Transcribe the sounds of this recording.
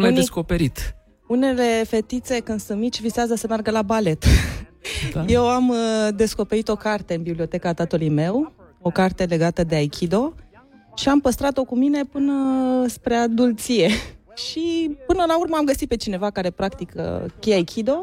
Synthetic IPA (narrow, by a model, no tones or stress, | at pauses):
ajd̪eskopeɾit̪ | une̞le̞fe̞t̪it̪se̞kɨnd̪sunt̪̚mit͡ʃʲvizeazəsəmearɡəlabale̞t̪ | je̞wamd̪e̞sko̞pe̞ɾit̪o̞kart̪e̞ɨnbiblio̞t̪e̞kaːt̪at̪ulujme̞wo̞kart̪e̞le̞ɡat̪əd̪eajkʲʰid̪o̞ | ʃiampəst̪ɾat̪o̞kumine̞pɨnəspɾead̪ult̪sije | ʃipɨnəlaurməamɡəsit̪̚pe̞t͡ʃine̞vakaɾe̞pɾakt̪ikə̰kʲejajkʲʰid̪o̞